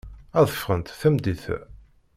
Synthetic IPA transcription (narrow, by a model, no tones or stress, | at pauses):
æðˤəfʁənt̪θæmd̪iθ